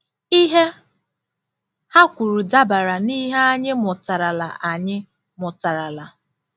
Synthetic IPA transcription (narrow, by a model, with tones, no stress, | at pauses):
i˦ɦe˦ | ha˦kʷu˨ɾu˨da˦ba˨ɾa˨ni˦ɦe˦a˦ɲɪ˦mʊ˨ta˨ɾa˨la̰˨ʔa˨ɲɪ˦ | mʊ˨ta˨ɾa˨la˨